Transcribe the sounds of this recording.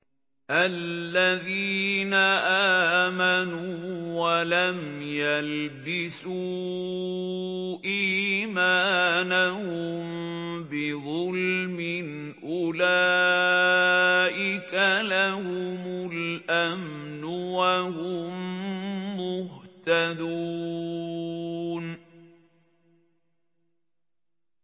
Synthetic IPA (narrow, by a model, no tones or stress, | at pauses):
ʔalːaðiːnaʔaːmanuwalamjalbɪsu | ʔiːmaːnahʊmbɪðˤʊlmɪn | ʔʊlaː | ʔɪkalahʊmʊlʔamnʊwahʊmː | ʊht̪ad̪u | n